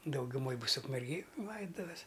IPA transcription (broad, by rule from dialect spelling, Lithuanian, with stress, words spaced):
dɐʊɡʲʊˈmoːj ˈbʊs ʊkmʲɛrʲɡʲeːj ˈlˠɐɪdʊtʊʋʲɛs